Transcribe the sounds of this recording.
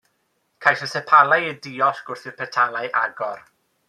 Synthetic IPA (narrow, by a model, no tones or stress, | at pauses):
kʰajsəsɛpʰalˠajədiɔɬɡ̥ʊrθɪpʰɛtʰalajʔaɡɔr